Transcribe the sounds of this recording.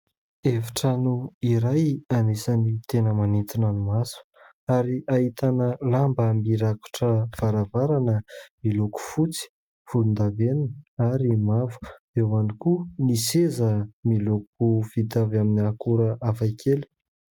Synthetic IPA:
efi̥ʈ͡ʂanuiɾajanesanit̪enəmanit̪inanumasu̥ | aɾiaɦit̪anəlambamiɾaku̥ʈ͡ʂəv̥aɾavaɾanəmiloku̥fut͡si̥ | v̥ulund̪aveninaɾimavu̥d̪̥ewanikunisezəmilok̚uv̥it̪avaminiakuɾəʔavajkʰeli̥

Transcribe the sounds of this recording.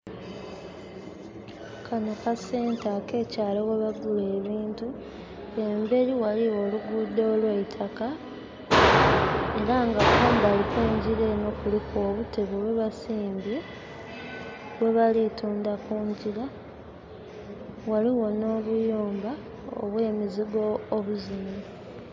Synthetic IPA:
kʰanokase̞ːntake̞ːcaːlewe̞βaɡule̞ːβiːntu | e̞mbe̞ɾiwaliwo̞luɡudoːlweitʰaka | e̞ɾaŋɡakuːmbalikeːɲɟiɾeno̞kuliko̞ːβuteβewe̞βasiːmbje̞ | we̞βalituːndakuːɲɟila | waliwo̞no̞ːβujuːmba | o̰βweːmiziɡo̞ːβuzime

